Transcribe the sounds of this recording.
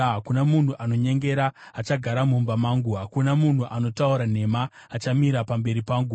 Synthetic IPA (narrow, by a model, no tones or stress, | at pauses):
ɦakunamun̤uʔano̞ɲe̞ŋɡe̞ɾaːt͡ʃaɡʱaɾamumbamaːŋɡuɦakunamun̤uʔano̞tauɾan̤e̞maː | t͡ʃamiɾapambe̞ɾipaːŋɡu